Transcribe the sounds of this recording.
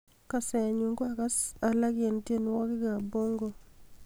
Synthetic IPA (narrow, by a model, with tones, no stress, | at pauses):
ka˨sɛ˨ɲu˨ŋɡo˦a˨ɡa˦sa˨la˦ɡje˨n˦tje˦nwɔ˦kɪ˦ɡa˨bo˦ŋɡo˦